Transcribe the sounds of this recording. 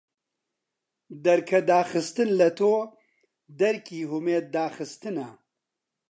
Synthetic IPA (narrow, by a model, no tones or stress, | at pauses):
d̪ɐɾkʰɐd̪aːxɨst̪ɨnlɐt̪ʰoː | d̪ɐɾkiːɦumeːt̪̚d̪aːxɨst̪ɨnɐ